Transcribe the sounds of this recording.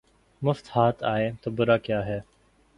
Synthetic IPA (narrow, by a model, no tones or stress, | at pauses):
mʊft̪haːt̪aːẽːt̪oːbəɾaːkjaːɦɛː